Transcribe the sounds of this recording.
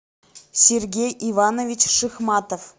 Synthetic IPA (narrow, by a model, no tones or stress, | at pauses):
sʲerɡʲejʔivɑnovʲit͡ɕʂɨxmɑt̪of